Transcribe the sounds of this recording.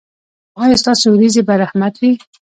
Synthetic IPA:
ɑjɑst̪ɑsoɾizebaɾahmat̪wi

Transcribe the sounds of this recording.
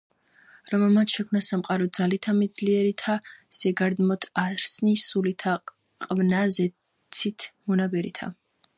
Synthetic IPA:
ɾɔmɛlˠmat̪ʃɛkʰmnasamqʼaɾɔd̪zalit̪ʰamɛd̪zliɛɾit̪ʰasɛɡaɾd̪mɔt̪ʰaɾsnisulit̪ʰa | qʼvnazɛ | t̪sʰit̪ʰmɔnabɛɾḭt̪ʰa̰

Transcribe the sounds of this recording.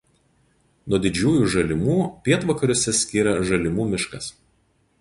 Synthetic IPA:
nuɔd̪ʲɪd͡ʒʲuːjuːˑʒɐlʲɪmuːpʲiɛt̪ʋɐkɐɾʲʊsʲɛsʲkʲiːɾɐʒɐlʲɪmuːmʲɪʃkɐs

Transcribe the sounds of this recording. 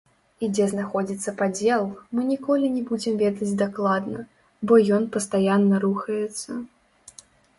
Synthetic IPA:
id͡zʲɛznaxɔd͡zʲit̪sːɐpad͡zʲɛlˠmɨnʲikɔlʲinʲɛbud͡zʲɛmvʲɛd̪ɐd͡zʲd̪aklˠad̪nɐ | bɔjɔnpɐst̪ajanːɐɾuxɐjɛt̪sːɐ

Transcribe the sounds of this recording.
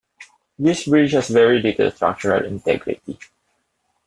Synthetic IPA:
d̪isbɹid͡ʒhɔsvɛɹiditə̰stɹa̰k̚t͡ʃəɹə̰lɪ̰̃ntɛ̰ɡɹḭti

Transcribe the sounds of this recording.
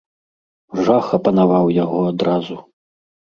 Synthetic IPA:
ʐaxɐpɐnavawjaɣɔad̪ɾazu

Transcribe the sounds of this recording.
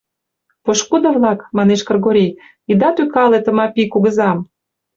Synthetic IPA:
poʃkud̪ɤ̆βlɑkmɑneʃkɤ̆rɣoɾʲej | id̪ɑt̪ykɑlet̪ə̆mɑpʲikuɣə̆zɑm

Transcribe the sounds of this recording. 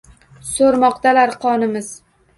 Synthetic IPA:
soɾmɒqt̪alaɾqʰɒnɪmɪz

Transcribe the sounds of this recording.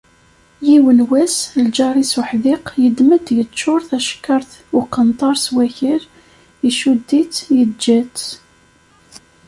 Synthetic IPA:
jiwənwæsld͡ʒɑɾˤisuħðɪqjəd̪məd̪jət͡ʃːʊɾˤθæʃkːɑɾθʊqːənt̪ˤɑɾˤswæçiɾ | iʃud̪ːit͡sjəd͡ʒːæt͡s

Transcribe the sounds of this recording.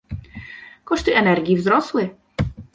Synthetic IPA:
kɔʂt̪ɨʔɛnɛɾɡʲivzɾɔslɘ

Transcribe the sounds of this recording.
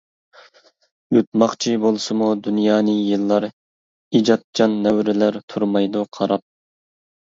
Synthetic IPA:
jut̪̚mɑχt͡ʃʰibolˠsɨmud̪unjɑːnɨjɨlˠːɑɾ | id͡ʒɑt̪̚d͡ʒɑnːɛwɾɪlæɾt̪ʰuɾmɑjd̪uqʰɑɾɑp̚

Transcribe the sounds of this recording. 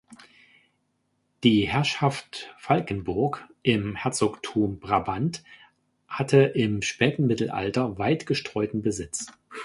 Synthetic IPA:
d̥iːhɛɐʃaftfalkən̩bʊɐkʔɪmhɛɐt͡soːktʰuːmb̥ʁabant | hatʰəʔɪmʃpɛːtn̩mɪtl̩ʔa̰ltɐvaɪtɡ̥əʃtʁ̥ɔʏtn̩bəzɪt͡s

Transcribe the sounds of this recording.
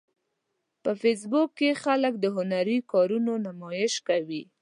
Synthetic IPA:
pəfes̬bukːexalək̚d̪əɦʊnaɾikɑɾunonamɑjɪʃkawi

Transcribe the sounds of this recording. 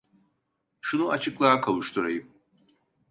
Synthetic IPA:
ʃunuat͡ʃʰɯklˠaːkʰaluʃt̪ʰuɾajɯm

